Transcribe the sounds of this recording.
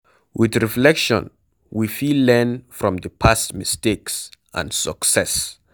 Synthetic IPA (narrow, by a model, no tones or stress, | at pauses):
wɪðɹiflɛkʃɔ̰̃n | wifilɛ̃nfɹɔ̃mðəpʰastmɪsteksʔã̰nsəksɛs